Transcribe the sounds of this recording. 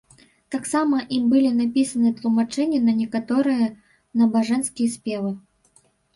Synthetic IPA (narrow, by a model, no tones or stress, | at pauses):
t̪aksamɐʔimbɨlʲinapʲisɐnɨt̪lˠumat͡ʂɛnʲɐnɐnʲɛkat̪ɔɾɨjɐ | nɐbaʐɛnskʲijɛspʲɛvɨ